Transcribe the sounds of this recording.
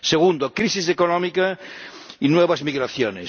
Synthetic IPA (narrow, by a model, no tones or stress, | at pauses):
seɣund̪okɾisisekonɔmika | inweβazmiɣɾaθjone